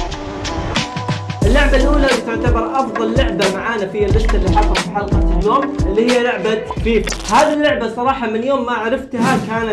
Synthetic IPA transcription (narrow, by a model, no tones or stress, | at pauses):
ʔɪlːʊʕbalʔuːlalt̪ʊʕt̪abɑɾˤʔɑfðˤɑlːʊʕbamaʕaːnafɪjːalbɪst̪ɪlːiːħɑlˤɑɾfiħɑlqɑt̪lːoːmʔɪlːiːhɪjːalʊʕbat̪fiːbhaːðilːʊʕbasˤɑɾˤɑːħɑmɪnjoːmːaʕaɾˤɑft̪hakaːna